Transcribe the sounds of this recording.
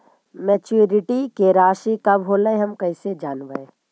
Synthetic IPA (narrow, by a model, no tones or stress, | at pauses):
mɛt͡ʃuuɾɪʈikeɾaːʃikɐbɦoːləeɦɐmkɐɪsed͡ʒaːnba̰e